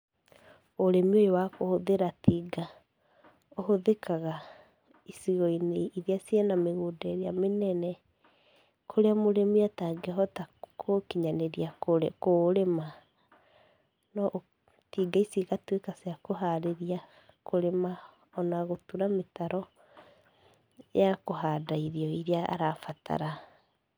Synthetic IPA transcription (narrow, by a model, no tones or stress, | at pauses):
oɾemiojowakohoðeɾatiːɡa | oɦoðekʰaɣa | isiɣɔineiðeasiɛnameɣodeɾeamenɛnɛ | kʰoɾeamoɾemiataɡeɦɔtakʰokiɲaneɾiakoekoɾema | nɔʔ | tiːɡaisiɣatwekaseakoɦaɾeɾia | kʰoɾema | ɔnaɣotuɾametaɾɔ | jakoɦaːdaiðiɔiɾeaa̰ɾafatʰa̰ɾa